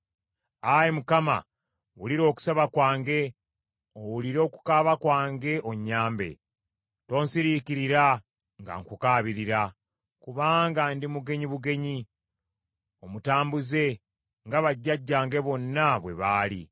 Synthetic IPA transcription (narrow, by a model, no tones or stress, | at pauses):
ajemukama̰ | wuliɾo̞ːku̥saβakwaːŋɡe̞ | owuliɾo̞ːku̥kaβakwaːŋɡe̞ʔoɲːaːmbe̞̰ | to̞ːnsiɾikiɾiɾa | ŋɡa̰ŋkukaːβiɾiɾa | kuβaːŋɡandimuɡe̞ɲiβuɡe̞ɲi | o̞mutaːmbuze̞ | ŋɡaβaɟːaɟːaːŋɡe̞βo̞nːaβwe̞βaːlḭ